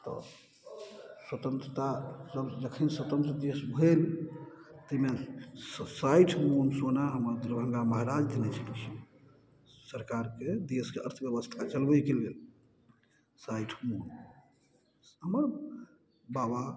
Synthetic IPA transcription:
t̪ɔ̰ | swət̪ənt̪ɾət̪asəbd͡ʒəkʰinswət̪ə̃nt̪ɾəd̪esbʱel | t̪əime | saiʈʰmonsonaɦəməɾd̪ɾbʱə̃ŋɡaməɦaɾad͡ʒd̪ʱənɛt͡ʃʰəlit͡ʃʰi | səɾkaɾked̪eskeə̰ɾt̪ʰbjəbəst̪ʰat͡ʃəlbəjkelɡel | saiʈʰmon | ɦəməɾ | baba

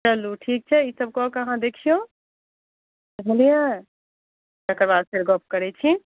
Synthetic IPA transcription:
t͡ʃəluʈʰiːk̚t͡ʃʰɛisəb̚kɔkɐɦãd̪ekʰijõ | ɦəlija | t͡ʃəkəɾbad̪pʰeɾɡɔp̚ʰkəɾɛt͡ʃʰi

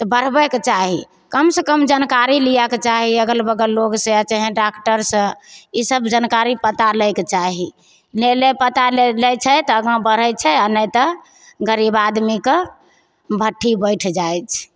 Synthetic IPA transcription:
t̪ɔbəɾ̤bɛket͡ʃaɦi | kəmsəkəmd͡ʒənkaɾilijaket͡ʃaɦiəɡəlbəɡəloɡsə̃jat͡ʃəɦɛ̃ɖakʈəɾsə̃isəbd͡ʒənkaɾipət̪aləjket͡ʃaɦi | lelepət̪alelɛt͡ʃʰət̪ɔːɡãbəɾ̤ət͡ʃʰɛənət̪ɔ | ɡəɾibad̪mike | bʱəʈʰːibəɪʈʰd͡ʒajt͡ʃʰ

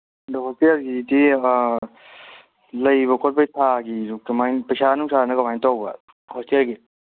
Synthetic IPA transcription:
dɐɦɔstialɡidi | lɐjβɐkʰɔt̚pajtʰaɡiɾukɐmajnpɐjsanuŋsʰanɐkɐmajntawbɐ̰ | hostialɡi

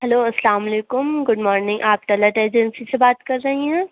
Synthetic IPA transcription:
ɦɛloːɐsəlaːmɐleːkʊmɡʊɖmɔːɾnɪ̃ŋɡʔaːp̚ʈɐləʈeːd͡ʒɛnsisebaːt̪kɐɾːɐɦiɦɛ̃ː

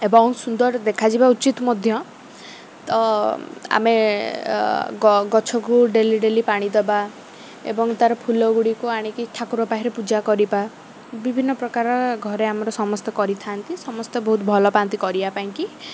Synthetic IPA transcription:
ebɔŋsund̪ɔɾd̪ekʰad͡ʒibaut͡ʃit̪mɔd̪ʱjɔ | t̪ɔ | a̰me | ɡɔɡɔt͡ʃʰɔkuɖeliɖelipaɽ̃id̪ɔba | ḛbɔŋt̪aɾɔpʰulɔɡuɽikuaɽ̃ikiʈʰakuɾɔpaɦiɾepud͡ʒakɔɾiba | bibʱinːɔpɾɔkaɾɔɡʱɔɾeamɔɾɔsɔmɔst̪ɔkɔɾit̪ʰant̪isɔmɔst̪ɔbɔɦut̪bʱɔlɔpant̪ikɔɾibapaĩŋki

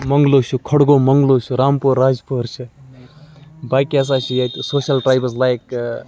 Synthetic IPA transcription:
mɐŋɡloːt͡ʃʰukʰɔɽɡoːmɐŋɡloːt͡ʃʰuɾaːmpuːɾːaːd͡ʒpʰuɾt͡ʃʰɨ | baːkiɐs̬aːt͡ʃʰijat̪usoːʃɐlʈɾaːjbəzlajk

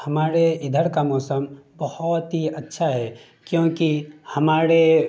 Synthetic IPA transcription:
hɐmaːɾeɪd̪ʱəɾkamɔːsəmbɐhʊt̪ɦiɐtːʃʰaɦɛ | kjõːkihɐmaːɾe

